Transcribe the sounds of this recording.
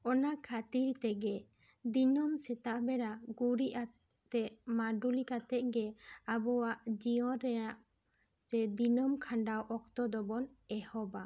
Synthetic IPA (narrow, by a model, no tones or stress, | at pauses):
ɔnakʰat̪iɾt̪ɛɡɛ | d̪inɔmsɛt̪aʔbɛɽaɡuɾiʔa | t̪ɛʔmaɖulikat̪ɛʔ̪̚ɡɛabɔwaʔd͡ʒiɔ̃ɾɛaʔ | sɛd̪inɔmkʰaɳɖawʔɔk̚t̪ɔd̪ɔbɔnɛhɔba